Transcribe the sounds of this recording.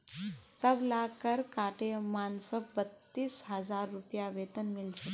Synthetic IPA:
səblakəɾkaʈemansɔk̚bət̪ːiːsɦəd͡zaɾːupjaʋet̪ənmilt͡ʃe

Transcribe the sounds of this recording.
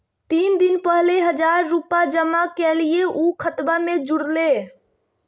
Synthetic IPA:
t̪ind̪inpəɦleɦəd͡ʒaɾːupad͡ʒəmakɛlijeʔukʰət̪bamed͡ʒuɽle

